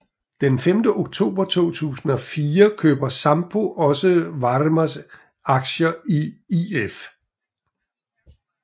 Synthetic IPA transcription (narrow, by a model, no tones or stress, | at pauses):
d̥enfemd̥əʔo̝ɡ̥̚t͡sʰo̝̰ːb̥ɐt͡sʰo̝̰ːt͡sʰṵːsn̩ɒ̽fiːɐkʰø̰ːb̥ɐsɑ̈mb̥o̝ʔɒ̽səʋɑ̈ʁmɐs | ɑ̈ɡ̥ɕɐiief